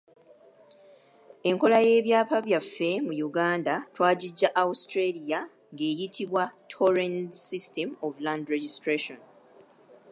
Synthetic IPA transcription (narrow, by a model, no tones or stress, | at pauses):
e̞ŋko̞laje̞ːβjaːpaβjafːe̞mujuɡaːndatwaːɟiɟːaʔaustɾelija | ŋɡeːjitʰiβwatʰoɾẽntsistemovlãndɾeɟistɾeʃon